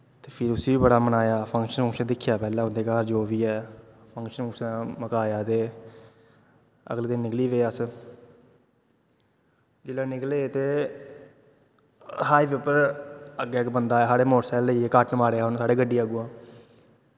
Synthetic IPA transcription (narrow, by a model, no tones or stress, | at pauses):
t̪eːpʰɪɾʊsiːʋiːbəɽaːmənaːjaːpʰə̃ŋkʃənʰəŋkʃənd̪ɪkʰːjaːpɛːlãːʊnd̪eːkaːɾd͡ʒoːʋiːɛːpʰə̃ŋkʃənfəŋʃənːməkaːjaːt̪eː | ə̰ɡleːd̪ɪnːɪkliːʋeːaːs | d͡ʒɪlãːnɪkleːt̪eː | ɦaːiːʋeːpəɾəɡeːkbənd̪aːɛːsaːɽeːmoːʈsɛːlːəiːeːkaːʈnəmaːɾeːaːɦʊnsaːɽeːɡəɖːiːəɡuːãː